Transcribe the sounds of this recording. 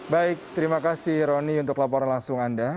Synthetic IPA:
baɪk̚t̪əɾimakasɪhɾɔniunt̪ʊklapɔɾanlaŋsʊŋanda

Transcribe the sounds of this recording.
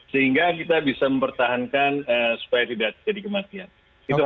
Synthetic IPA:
səɦiŋɡakit̪abisaməmpərt̪aɦankanəsu̥pajat̪idaʔt̪d͡ʒadikəmat̪ian | it̪u

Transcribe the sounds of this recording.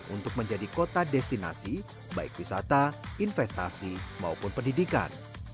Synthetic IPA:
ʔṵnt̪ʊk̚məɲd͡ʒadikot̪adɛst̪ina̰si | baɪkwisa̰t̪ainfɛst̪a̰sima̰upʊnpəndidika̰n

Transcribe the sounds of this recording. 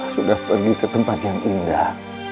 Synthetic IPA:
sudahpərɡikət̪əmpat̪̚jaŋʔindah

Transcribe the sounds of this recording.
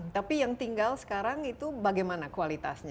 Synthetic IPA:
t̪apijaŋt̪iŋɡalsə̥kaɾaŋit̪ubaɡajmanakualit̪a̰sɲa

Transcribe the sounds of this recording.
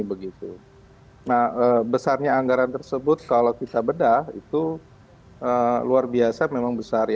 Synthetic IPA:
bəɡit̪ṵ | nahəːbəsarɲaːŋɡaɾant̪ərsəbʊt̪̚kalokit̪abədahḭt̪u | ʔəːluarbiasamemaŋbəsarj

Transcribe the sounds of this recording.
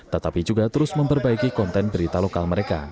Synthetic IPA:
t̪ət̪apid͡ʒuɡat̪əɾʊsməmpərbaikikɔnt̪ɛnbəɾit̪alokalməɾeka

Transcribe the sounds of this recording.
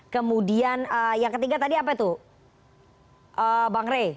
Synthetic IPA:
kəmudianəjaŋkət̪iɡat̪adiapat̪u | ʔəbaŋɾe

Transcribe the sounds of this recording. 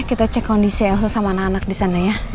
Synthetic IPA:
kit̪at͡ʃɛkɔndisɛlsosamanakanak̚disanaja

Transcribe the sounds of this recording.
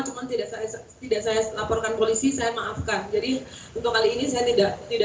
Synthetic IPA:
t͡ʃumant̪idaʔsaja | t̪idaʔsajalapɔrkanpolisisajamaʔafkand͡ʒadi | unt̪ʊkːaliːnisajat̪idaʔt̪ida

